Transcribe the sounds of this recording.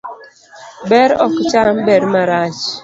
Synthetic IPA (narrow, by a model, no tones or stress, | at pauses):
bɛɾɔkt͡ʃambɛɾmaɾat͡ʃ